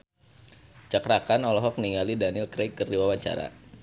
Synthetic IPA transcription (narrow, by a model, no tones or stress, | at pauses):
t͡ʃakɾakanɔlɔɦɔk̚niŋalidanɪlkɾekːərdiwawat͡ʃa̰ɾa̰